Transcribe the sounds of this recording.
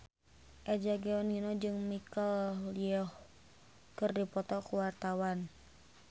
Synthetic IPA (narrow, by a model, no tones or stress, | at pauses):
ʔɛd͡ʒaɡɛɔninɔd͡ʒɨŋmikalliɔh | kɨrdipɔt̪ɔkuwart̪awan